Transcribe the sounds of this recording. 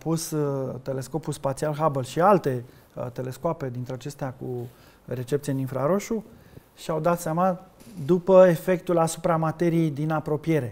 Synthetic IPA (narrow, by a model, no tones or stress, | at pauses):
pust̪e̞le̞sko̞pulspat̪sialɦabəlʃialt̪e̞ | t̪e̞le̞skoape̞d̪int̪ɾeat͡ʃe̞st̪eaku | re̞t͡ʃe̞pt̪sieninfɾaɾo̞ʃu | ʃiawd̪at̪seamad̪upəefe̞k̚t̪ulasupɾamat̪e̞ɾijejd̪inapɾo̞pije̞ɾe̞